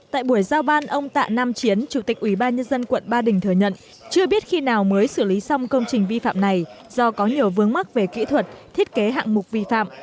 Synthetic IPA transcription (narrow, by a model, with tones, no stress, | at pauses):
t̪a̰ː˧˨jɓu˧˩əjzaː˧wɓaː˧nʔə˧wŋ͡mt̪a̰ː˧˨naː˧mt͡ɕi˨˦ənt͡ɕu˧˩t̪ï˨˩k̟̚ʔwi˧˩ɓaː˧nɲə˧nzə˧nkwə̰˧˨nɓaː˧ɗï˨˩ŋ̟t̪ʰɨː˨˩jɲə̰˧˨n | t͡ɕɨ˧əɓi˦˥ət̚xi˧naː˨˩wməː˨˦jsɨ˧˩li˨˦sɔ˧wŋ͡mkə˧wŋ͡mt͡ɕï˨˩ŋ̟vi˧fa̰ː˧˨mna˨˩jzɔ˧kɔ˨˦ɲi˨˩əwvɨ˨˦əŋm˦˥k̚ve˨˩kḭ˧˥t̪ʰwə˨˩t̚t̪ʰi˦˥ət̚ke˨˦ɦa̰ː˧˨ŋmʊ˨˩k̚k͡p̚vi˧fa̰ː˧˨m